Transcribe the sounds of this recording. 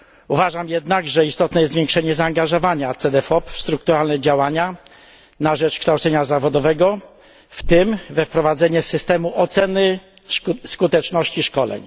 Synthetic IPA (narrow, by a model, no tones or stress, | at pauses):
uvaʐamjɛd̪naɡʐɛist̪ɔt̪nɛjɛt̪vʲjeŋkʂɛɲɛzaːŋɡaʐɔvaɲat̪sɛd̪ɛfɔpst̪ɾuk̚t̪uɾalnɛd͡ʑawaɲa | naʐɛt͡ʂkʂt̪awtsɛɲazavɔd̪ɔvɛɡɔ | ft̪ɘmvɛfpɾɔvad̪zɛɲɛsɘst̪ɛmuʔɔt̪sɛnɘ | skut̪ɛt͡ʂnɔɕt͡ɕiʂkɔlɛ̰ɲ